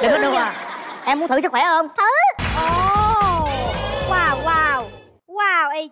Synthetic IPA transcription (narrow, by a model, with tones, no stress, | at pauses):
ɗɨ˨˩kɔ˨˦˥ɗə˧a˨˩ʔɛ˧mu˦˥nt̪ʰɨ˧˩sɨ˦˥kwɛ˧˩˨ə˧wŋ͡mt̪ʰɨ˨˦ʔo˨˩ | waː˧˩wwaː˧˩w | waː˧˩wʔi˧